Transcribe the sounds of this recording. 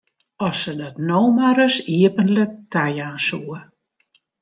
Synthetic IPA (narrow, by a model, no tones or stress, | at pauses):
ɔsədɔtnoːmaɾəsiəpənlək̚tʰajaːnsuə